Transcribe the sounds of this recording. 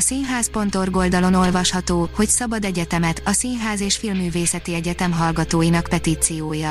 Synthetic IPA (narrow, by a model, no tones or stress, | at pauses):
sinɦaːspo̞nt̪o̞rɡo̞ld̪ɒlo̞no̞lvɒʃhɒt̪oːho̞csɒbɒd̪ɛɟɛt̪ɛmɛt̪ɒsinɦaːzeːʃfilmːyːveːsɛt̪iɛɟɛt̪ɛmɦɒlɡɒt̪oːjinɒkpɛt̪iːt̪sijoːjɒ